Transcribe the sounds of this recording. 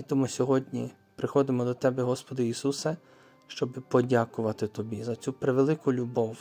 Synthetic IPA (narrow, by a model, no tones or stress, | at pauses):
it̪ɔmusʲɔɦɔdʲnʲḭ | pɾɪxɔd̪ɪmɔd̪ɔt̪ɛbɛɦɔspɔd̪ɐisusɐ | ʃt͡ʃɔbɪpɔdʲakʊʋɐt̪ɪt̪ɔbʲizɐt͡sʲupɾeʋelˠɪkʊlʲubɔw